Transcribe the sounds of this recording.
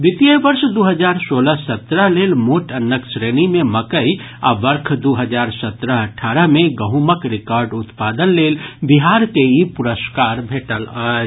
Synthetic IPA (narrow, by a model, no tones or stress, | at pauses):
ʋit̪iəʋəɾʃd̪uɦəd͡ʒaːɾsoːləsət̪ɾəɦleːlmoʈənːəksɾenimeməkəi | a̰ʋəɾkʰd̪uɦəd͡ʒaːɾsət̪ɾəɦəʈʰaːɾəɦmeɡəɦuməkɾɪkɔːɾɖʊt̪paːd̪ənleːlbiɦaːɾkeipʊɾəskaːɾbʱeːʈəlaː